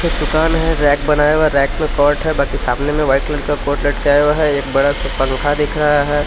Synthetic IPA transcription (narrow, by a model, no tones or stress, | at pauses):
kʰed̪ʊkaːnɦɛ̃ɾɛːkbɐnaːewaɾɛːkmẽkɔːɾʈɦɛbaːkisaːmnemẽʋaɪʈleːɖkakoːɾʈleːʈkaːewaɦɛeːk̚bɐɽaspɐ̃ŋkʰad̪ɪkʰɾɐɦaɦɛː